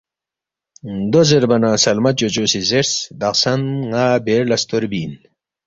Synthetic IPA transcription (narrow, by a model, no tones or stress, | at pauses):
d̪ozeɾbɐnasɐlmɐd͡ʑot͡ɕosizeɾsd̪ɐqsɐnŋaːbeɾlɐst̪oɾbiːn